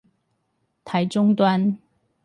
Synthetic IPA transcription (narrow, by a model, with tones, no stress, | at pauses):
t̪ʰa˨˦ɪʈ͡ʂʊ˥ŋt̪wa˥n